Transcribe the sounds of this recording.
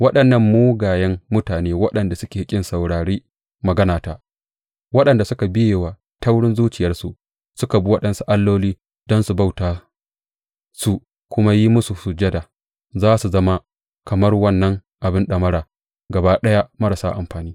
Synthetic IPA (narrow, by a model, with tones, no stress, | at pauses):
wɐ˦ɗɐ˨nːɐ˦mːuː˦ɡaː˨jɛ˦ŋmʊ˦taː˨neː˦wɐ˦ɗɐ˨nda˨sʊ˦kʲeː˨kʲʼɪ˦nsɐ˨wɽaː˨ɽeː˦ | mɐ˨ɡɐ˦naː˨taː˨ | wɐ˦ɗɐ˨nda˨sʊ˦ka˨bɪ˦jeː˨wa˨ | ta˦wɽɪ˦nzuː˦t͡ʃɪ˨jɐ˦rsu˨ | sʊ˦ka˨bu˦wɐ˦ɗɐ˨nsu˨ʔa˦lːoː˦liː˦ | d̥ɔ˦nsu˨ba˦˨wtaː˨ | su˨ | kʷʊ˦ma˦ji˦mʊ˦su˨su˨d͡ʒɐ˦daː˨ | zaː˦su˨zɐ˦ma˦ | kɐ˨mɐ˦rwɐ˦nːɐ˦ŋ | ʔa˨bɪ˦nɗɐ˨mɐ˦ɽaː˨ | ɡɐ˨baː˦ɗɐ˦ja˦mɐ˦ɾa˨saː˦ʔa̰˨mɸaː˨niː˦